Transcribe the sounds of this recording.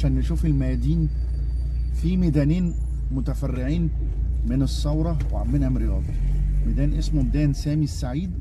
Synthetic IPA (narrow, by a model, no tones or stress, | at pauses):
aʃæːnːeʃuːfelmæjæd̪iːn | fimed̪æːniːn | mʊt̪æfærːeʕiːn | menesˤːɑwɾˤɑweʕamːenhæmɾejɑːd̪ˤɑmæd̪æːnʔesmod̪æːnsæːmisːaʕiːd̪